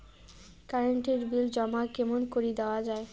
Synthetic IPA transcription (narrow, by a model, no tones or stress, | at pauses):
kaɾeɳʈiɾbild͡ʑɔmakɛmonkoɾid̪eoad͡ʑae